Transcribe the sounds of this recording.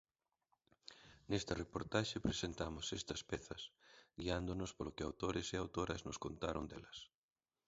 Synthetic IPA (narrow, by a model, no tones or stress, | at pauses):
nest̪ɐrepoɾt̪aʃɪpɾesent̪amʊsɛst̪ɐspɛθɐsɡiand̪ʊnʊspolokɪawt̪oɾɪseawt̪oɾɐznʊskont̪aɾoŋd̪ɛlɐs